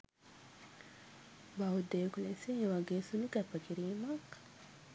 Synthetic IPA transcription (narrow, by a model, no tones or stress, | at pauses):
bɐɦud̪ejkuleseeʋɐɡeːsuluɡæpːɐkiɾiːmɐk